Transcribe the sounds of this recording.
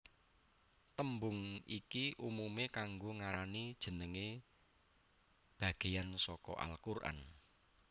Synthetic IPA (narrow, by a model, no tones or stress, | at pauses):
t̪əmbʊŋḭkiʔumumekaŋɡoŋaɾanid̥ʒ̥ə̤nəŋe | b̥a̤ɡ̥e̤jansɔkɔ̰ʔa̰lkurʔa̰n